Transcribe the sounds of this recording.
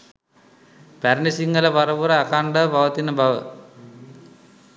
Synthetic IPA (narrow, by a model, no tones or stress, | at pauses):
pæɾnisiŋɡələʋaɾəʋuɾəakaɳɖəbaʋət̪inːəbaʋə̰